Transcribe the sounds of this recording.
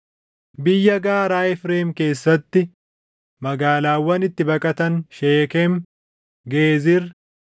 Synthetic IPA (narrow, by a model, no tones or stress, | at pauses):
bɪjːɐɡaːɾaːɛfɾeːmke̞ːsːɐt̪ːɪ | mɐɡaːlaːwːɐnɪt̪ːɪbɐkʼɐt̪ɐnʃeːkɛm | ɡeːzɪɾ